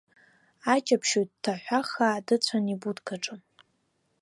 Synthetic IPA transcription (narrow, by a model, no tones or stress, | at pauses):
at͡ʃʼapʰʃot̚tʰːaħʷaχaːdɨt͡ɕʷʰanibudkʰʼaʈ͡ʂʼɨm